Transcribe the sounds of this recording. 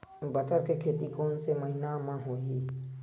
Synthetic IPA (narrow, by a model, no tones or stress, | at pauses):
bəʈəɾkekʰeːt̪ikɔːnseməɦinamãɦoːiː